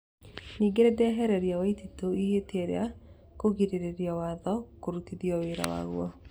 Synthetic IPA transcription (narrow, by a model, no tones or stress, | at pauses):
niːɡeɾɛdɛɛɦɛɾɛɾjawaititoiɦetɛɾḛa | koɣiɾeɾeɾjawaðɔkoɾutiðjɔweɾa̰wa̰ɣwɔ